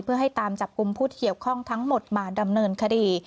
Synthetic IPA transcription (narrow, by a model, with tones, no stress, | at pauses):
pʰɯ˥˩ɐɦa˥˩jt̪aː˧mt͡ɕa˨˩p̚ku˧mpʰuː˥˩˥ki˨˩əwkʰɔ˥˩ŋt̪ʰa˦˥ŋmo˨˩t̪̚maː˧da˧mnɤː˧nkʰa˧diː˧